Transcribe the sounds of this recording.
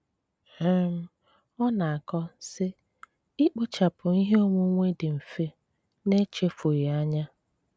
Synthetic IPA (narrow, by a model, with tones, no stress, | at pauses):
ɛ˦m̩˦ | ɔ˦na˨a˨kɔ˦sɪ˦ | i˦k͡pʊ˦t͡ʃa˨pʊ˨i˦ɦe˦o˦mu˦ŋʷe˦dɪ˨m̩˨fe˦ | ne˦t͡ʃe˦fo˨ɾɪ˨a˦ɲa˦